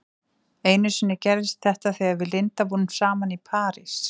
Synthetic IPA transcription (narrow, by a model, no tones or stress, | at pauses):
ejnʏsɪnːɪcɛɾðɪst̪θɛht̪aθiaðvɪlɪnt̪apunmsaːmanipʰaːɾɪs